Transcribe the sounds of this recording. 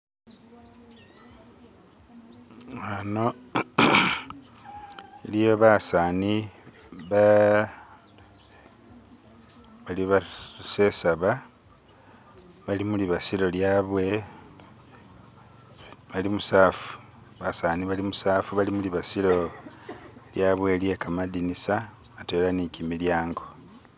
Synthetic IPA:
ano̞ | ilijo̞βasaːni | βa | βaliβase̞saβa | βalimuliβasilo̞ljaβwe | βalimusaːfu̥ | βasaːniβalimusaːfuβalimuliβasilo̞ | ljaβwe̞lje̞kamadinisaatelanikimiljaːŋɡo̞

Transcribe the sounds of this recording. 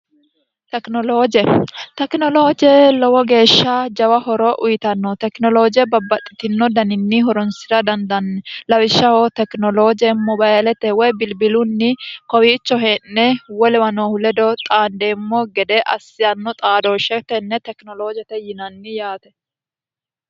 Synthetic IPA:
t̪ɛknɔloːd͡ʒɛt̪ɛknɔloːd͡ʒɪɛlɔwɔɡe̞ːʃːɐd͡ʒɐwɐhɔɾɔʔʊjɪt̪ɐnːɔt̪ɛknɔloːd͡ʒɪjɛbɐbːɐt̪ʼːɪt̪ɪnːɔd̪ɐnɪnːiɦɔɾɔnsɪɾɐd̪ɐnd̪ɐnːɛlɐwɪʃːɐhot̪ɛknɔloːd͡ʒɛmɔbaːɛlɛt̪ɛwɔjbɪlbɪlʊnːɪkɔwiːt͡ʃːɔɦenːɛwɔlɛwɐnohʊlɛd̪ɔt̪ʼaːnd̪eːmːɔɡɛd̪ɛʔɐ̰sːɪjɐnːɔt̪ʼaːd̪oːʃɛt̪ɛnːɛt̪ɛknɔloːd͡ʒɛt̪ɛjɪnɐnːɪjaːt̪ɛ

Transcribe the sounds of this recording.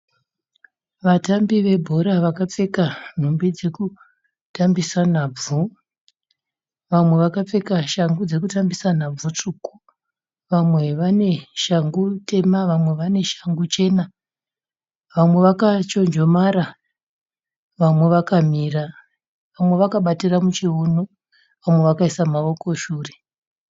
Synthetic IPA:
ʋatambiʋe̞bʱo̞ɾaʋakap͡fe̞kan̤umbid͡ze̞ku | tambisan̤aːb͡vu | ʋamwe̞ʋakap͡fe̞kaʃaŋɡud͡ze̞kutambisan̤ab͡vut͡ʂuku̥ | ʋamwe̞ʋane̞ʃaŋɡute̞maʋamwe̞ʋane̞ʃḁŋɡut͡ʃe̞ːna | ʋamwe̞ʋakat͡ʃo̞nd͡ʒo̞maɾa | ʋamwe̞ʋakamira | ʋamwe̞ʋakaɓatiramut͡ʃiono | ʋamwe̞ʋakaisamaʋo̞ko̞ʃuːre

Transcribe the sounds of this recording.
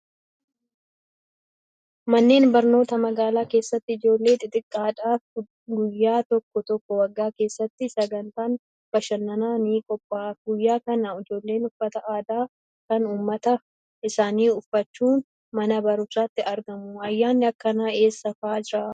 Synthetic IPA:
mɐnːe̞ːnbɐɾno̞ːt̪ɐmɐɡaːlaːke̞ːsːɐt̪ːɪɪd͡ʒo̞ːlːe̞ːt̪ʼɪt̪ʼɪkʼːaːᶑaː | ɡʊjːaːt̪ɔkːɔt̪ɔkːɔwɐɡːaːke̞ːsːɐt̪ːɪsɐɡɐnt̪aːn | b̥ɐʃɐnːɐnaːniːkʼɔpʼːaːɡʊjːaːkɐnɐɪd͡ʒo̞ːlːe̞ːnʊfɐt̪ɐʔaːd̪aː | kɐnuːmːɐt̪ɐ | ɪsaːniːʊfːɐt͡ʃːuːn | mɐnɐbɐɾʊsaːt̪ːɪʔɐɾɡɐmʊɐjːaːnːɪɐkːɐnaːe̞ːsːɐfaːd͡ʒɪɾaː

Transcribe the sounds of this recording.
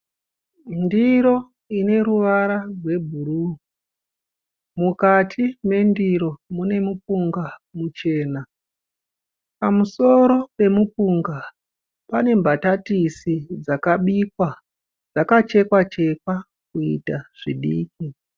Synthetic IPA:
ndiɾo̞ | ine̞ɾuʋaɾarwe̞bʱuɾu | mukatʰime̞ndiɾo̞mune̞mupuŋɡamut͡ʃe̞ːna | pamuso̞ɾo̞pe̞mupuŋɡa | pane̞mbʱatatisid͡zakaɓikwa | d͡zakat͡ʃe̞kwat͡ʃe̞kwa | kuḭtaʐ̥iɗḭːki

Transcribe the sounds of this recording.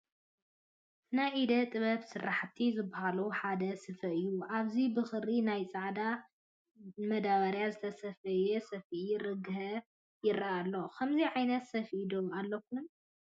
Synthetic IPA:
najid̪ɐt̪ʼɨβɐβsɨraħt̪ʰizɨbːaɦaluħad̪ɐsɨfɐʔɨjːuʔaβzibɨxɨɾinajt͡sʼaʕd̪a | mɐd̪aβɐɾjazɨt̪ʰɐsɐfɐjɛsɐfɾɨɡɨɦɐ | jɪɾaʔalːo̞kʰɐmziʕajnɐt̪sɐfʔid̪oalːɐk̚ʰːum

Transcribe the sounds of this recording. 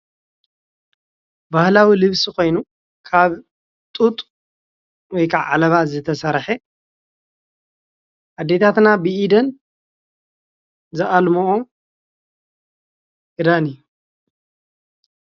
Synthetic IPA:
bahlawilɨβsiko̞jnu | kʰaβ | t̪ʼut̪ʼ | wɔjkʰaβʕa̰lɐβazɨt̪ʰɐsɐɾħe | ʔad̪ːe̞t̪ʰat̪nabɨʔid̪ɐn | zɨʔalmoʔo | ʔɨd̪aniu

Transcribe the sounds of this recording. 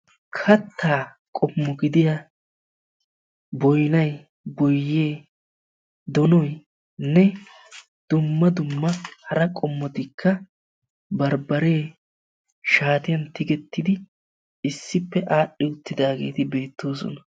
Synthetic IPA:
kʰɐt̪ʰːaː | kʼɔmːɔɡɪd̪ɪjɐ | bɔjnɐj | bɔjːeː | d̪ɔnɔj | nɛ | d̪̥ʊmːɐd̪ʊmːɐhɐɾɐkʼɔmːɔt̪ɪkʰːɐ | bɐɾbɐɾe̞ː | ʃaːt̪ɪjɐnt̪ɪɡɛt̪ːɪd̪ɪ | ɪsːɪpːɛʔaːɗːɪʊt̪ːɪd̪aːɡe̞̰ːt̪ɪbe̞ːt̪ːo̞ːs̬ɔ̰nɐ

